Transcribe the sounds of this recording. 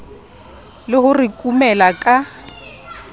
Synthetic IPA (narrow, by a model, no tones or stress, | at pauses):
lɪhʊrɪkʼumɛlakʼa